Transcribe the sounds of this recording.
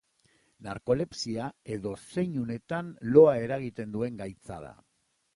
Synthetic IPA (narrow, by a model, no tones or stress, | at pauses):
naɾko̞le̞psiae̞ðo̞se̞ɲune̞t̪anlo̞ae̞ɾaɣit̪e̞nd̪ue̞ŋɡajt͡sa̰ða̰